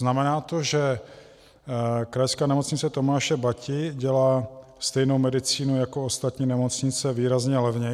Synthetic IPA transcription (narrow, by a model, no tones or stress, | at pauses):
znamɛnaːt̪o̞ʒɛ | kɾajskaːnɛmo̞t͡sɲɪt͡sɛt̪o̞maːʃɛbacɪɟɛlaː | st̪ɛjnowmɛdɪt͡siːnujakoost̪at̪ɲiːnɛmo̞t͡sɲɪt͡sɛviːɾazɲɛlɛvɲɛ